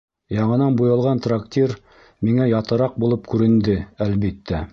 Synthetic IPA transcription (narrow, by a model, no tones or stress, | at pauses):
jɑɴɤ̆nɑnbujɤ̆lˠʁɑnt̪rakt̪ʲir | miŋæjɑt̪ɤ̆ɾɑq̚bulˠɤpkʉɾɘ̆nd̪ɘælβit̪ːæ